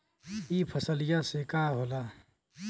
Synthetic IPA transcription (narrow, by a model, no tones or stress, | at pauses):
iːpʰɐsəlɪjasekaːɦoːlaː